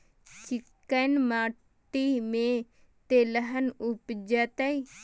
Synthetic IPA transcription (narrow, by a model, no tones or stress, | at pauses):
t͡ʃɪkːənmaː | ʈiːmẽː | t̪eːləɦənʊpd͡ʒat̪ai